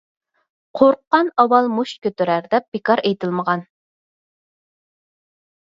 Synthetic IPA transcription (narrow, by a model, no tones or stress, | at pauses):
qʰoɾqːɑnɑwɑlˠmuʃkʲøt̪yɾæɾd̪ɛp̚b̥ekɑɾejt̪ʰɪlˠməʁɑn